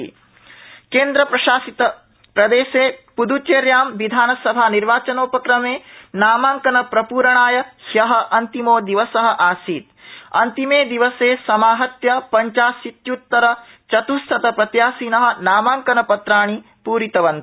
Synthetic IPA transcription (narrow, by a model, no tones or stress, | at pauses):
keːnd̪ɾɐpɾɐʃaːsit̪ɐ | pɾɐd̪eːʃeːpud̪ut͡ʃeːɾjaːmʋid̪ʱaːnɐsɐbʱaːniɾʋaːt͡ʃɐnoːpɐkɾɐmeːnaːmaːŋkɐnɐpɾɐpuːɾɐɳaːjɐhjɐɦɐ̆ʔɐnt̪imoːd̪iʋɐsɐɦɐ̆ʔaːsiːt̪̚ɐnt̪imeːd̪iʋɐseːsɐmaːɦɐt̪jɐpɐɲt͡ʃaːsit̪jut̪ːɐɾɐ | t͡ʃɐt̪ust̪ʰɐt̪ɐpɾɐt̪jaːsiːnɐɦɐ̆naːmaːŋkɐnɐpɐt̪ɾaːɳ̃i | puːɾit̪ɐʋɐnt̪